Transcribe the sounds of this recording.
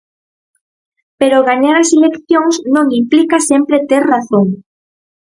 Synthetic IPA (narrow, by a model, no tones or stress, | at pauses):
peɾoɣaɲaɾɐselekθjoŋsnõŋimplikasempɾet̪eɾraθoŋ